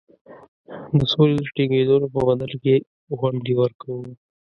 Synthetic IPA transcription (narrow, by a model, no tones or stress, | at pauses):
d̪əsoled̪əʈiɡed̪olopəbad̪alke | ɣwaɳɖ̪iwəɾkawu